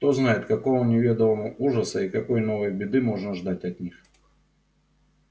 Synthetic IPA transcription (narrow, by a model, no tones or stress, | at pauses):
kt̪o̞znajɪt̪kɐko̞vənʲɪvʲe̞d̪əvəmʊʔuʐəsəikɐko̞jno̞vəjbʲɪd̪ɨmo̞ʐnəʐd̪atʲɐt̪ʲnʲix